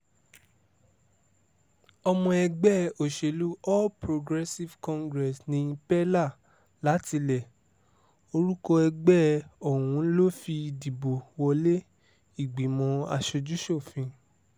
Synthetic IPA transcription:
ɔ˧mɔ̃˧ɛ˧ɡ͡bɛ˦o˨ʃe˨lu˨˦ɔ˦lpɾo˧ɡɾɛ˦si˦vkɔ̃˦ŋɡɾɛ˨snĩ˧˦pɛ˦la˦˨ | la˨˦ti˧lɛ˨ | o˧ɾu˦kɔ˧ɛ˧ɡ͡bɛ˦o˨wũ˨˦lo˦fi˧di˨bo˨wɔ˧le˦ | i˦˨ɡ͡bi˨mɔ̃˧˦a˧ʃo˧d͡ʒu˦ʃo˦˨fĩ˧

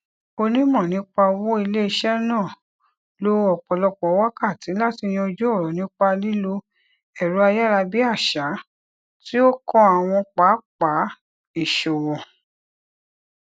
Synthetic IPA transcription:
o˧nĩ˦mɔ̃˦˨nĩ˨˦k͡pa˧wo˦i˧le˦i˧ʃɛ˦nãː˦˨ | lo˦ɔ˨k͡pɔ˨lɔ˧k͡pɔ˨˦wa˦ka˦˨ti˨˦la˦˨ti˧j̃ĩ˧ɔ˧d͡ʒo˦ɔ˦˨ɾɔ˨nĩ˦k͡pa˧li˦lo˧ | ɛ˨ɾu˨˦a˧ja˦ɾa˧bi˦a˦˨ʃa˨˦ | ti˦o˦kɔ̃˦a˨w̃ɔ̃˧k͡pa˨˦k͡pa˨˦ | i˦˨ʃo˨wɔ̃˨

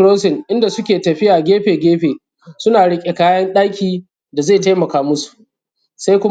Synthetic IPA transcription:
ɽoː˦sɪ˨ŋʔɪ˦nda˨sʊ˦kʲeː˨tɐ˨ɸɪ˦jaː˨ɡʲeː˦ɸeː˨ɡʲeː˦ɸeː˨ | sʊ˦naː˨ɽɪ˦kʲʼe˨kaː˦jɐ˦nɗaː˦kʲiː˨ | da˨za˦˨ta˦mɐ˨kaː˦mʊ˦su̥˨ | sa˦jkʷʊ˦

